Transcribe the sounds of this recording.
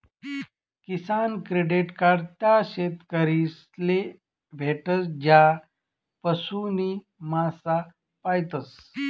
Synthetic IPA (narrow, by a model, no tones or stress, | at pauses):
kisankɾeɖiʈkaɖt̪jaɕet̪kəɾis | le | bʱeʈəsd͡ʑa | pəsuni | masa | pajt̪əs